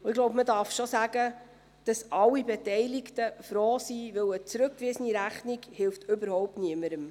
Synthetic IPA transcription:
ʊɪɡlɔʊbmədɑːɾfʃosæɡə | d̥ɑsʔɑlːibɛtɛɪlɪktəfɾoːsiʋɪwət͡sɾɵkːʋɪsəniɾæχnɪɡhɪlftɵbəɾhɔʊp̚tniəməɾəm

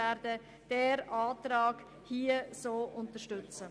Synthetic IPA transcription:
ɛɾdə | d̥ɛːɾɑːtɾɑːɡ̥ | hiːəsoːʔʊntəʃtʏt͡sə

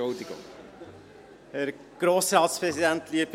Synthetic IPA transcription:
ot̪ikʊ̰m | hæɾ | ɡ̥ɾoːsɾɑːt̪spɾɛsid̪ænt̪liəb

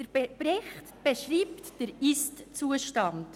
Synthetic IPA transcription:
d̥əɾb̥eb̥rɪχtb̥eʃriːptd̥əɾistt͡suəʃtɑnd

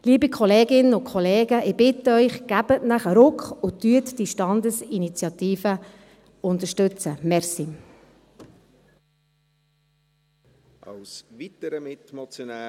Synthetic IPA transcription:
liːbikʰɔleːɡɪnənʊkʰɔleːɡ̥əʔɪbɪtəœʏχɡ̥æb̥ətnæχəɾʊkχʊt̪yətd̥iʃtɑnd̪əsinit͡sjɑtiːfə | ʊntəʃtʉt͡səmɛɾsi | ʔɑwsvitəɾəmɪtmɔt͡sjona

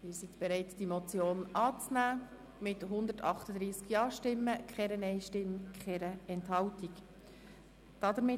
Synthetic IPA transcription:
mɪːɾsit̪b̥eɾɛɪtd̥imɔt͡sjoːnʔɑːt͡snæː | mɪtɦʊnd̪ətɑχt̪əd̥̪ɾiːskjɑːɾʃtɪmːəkχɛɾənɛɪʃtɪmːkχɛɾəɛnthɑwtik | d̥ɑd̪əɾmɪ

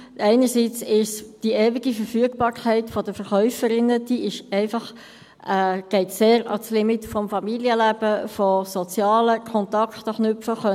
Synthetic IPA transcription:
ʔɛɪnəɾsiːt͡sɪʃsd̥iɛːviɡifəɾfyəɡb̥ɑːɾkʰɛɪtfɔdəfəʁχœʏfəɾɪnːəd̥iɪʃɛɪfɑχ | ɛɡ̥ɛɪtseːɾɑ̰slɪmɪtfɔmfɑmiliəlæb̥əfɔsɔt͡sjɑːləkʰɔnt̪ɑkχt̪ɑχnʏfəχœ

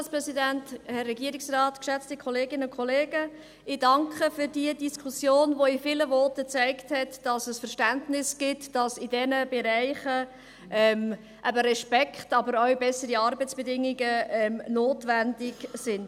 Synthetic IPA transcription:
lspɾɛsidænthɛrːɛɡiəɾɪksrɑːtkʃɛt͡stikʰɔleːɡɪnəʊkʰɔleːɡ̥ə | ɪdɑŋkχəfyɾdiədiskʰusjoːnvoɪfɪləvɔtət͡sæɪkthɛtd̥ɑsəsfəɾʃtæntnɪsɡ̥ɪtd̥ɑsɪdɛnəbɛɾæɪχə | ʔɛm | ʔæbəɾɛʃpɛkχtɑbəɾœwbɛsəɾiɑɾbət͡sb̥ɛdɪŋiɡəɛmnoːtʋændɪɡ̥sɪnd

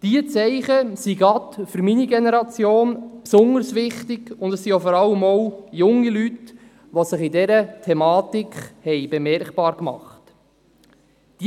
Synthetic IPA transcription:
d̥iət͡sɛɪχəsiɡɑtfʏɾminiɡenɛɾɑt͡sjoːnpsʊŋəɾsʋɪχtɪɡ̥ʊndɛssiofɔɾɑlːəmɔwjʊŋːilyt | ʋɔsɪχidɛɾətʰɛmɑːt̪ikχhɛɪb̥emɛrkpɑːɾkmɑ̰χt | d̥i

